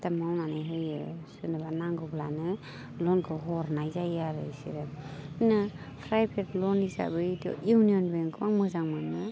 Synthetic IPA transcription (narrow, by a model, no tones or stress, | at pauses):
tamawnanajɦɯjɯsɯnɯbanaŋɡɯblanɯ | lɔnkʰɯɦɔɾnajzajaɾɯ̰jsḭɾɯinɯ | pʰɾajpʰeplɔnisa̰bɯdɔ̰uwniɔnbɯŋkʰɯaŋmɯzaŋmanːɯ